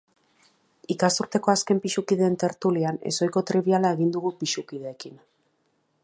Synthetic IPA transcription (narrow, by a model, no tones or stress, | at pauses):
ikasuɾt̪e̞ko̞aske̞mpiʃukið̞e̞ːnt̪e̞ɾt̪uliane̞̰so̞jko̞t̪ɾiβialae̞ɣ̞ind̪uɣupiʃukiðe̞ːkin